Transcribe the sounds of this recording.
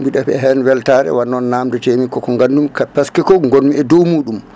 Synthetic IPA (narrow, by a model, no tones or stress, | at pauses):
biɗafɛ̰ɦɛnwɛltaɾɛ̰wanːɔnːaːmdɛtemikːɔkɔŋɡandumkapaskɛkɔŋɡonmiɛdɔwmuːɗum